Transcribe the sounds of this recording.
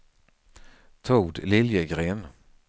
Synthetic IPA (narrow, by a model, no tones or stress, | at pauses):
t̪ʰuːɖ̪lɪljəɡɾeːn